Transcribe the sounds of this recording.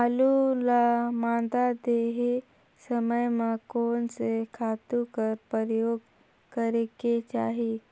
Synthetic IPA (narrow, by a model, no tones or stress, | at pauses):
alulamãd̪ad̪eɦe | səməjmãkoːnsekʰat̪ukəɾpəɾjoɡ | kəɾeket͡ʃaːɦi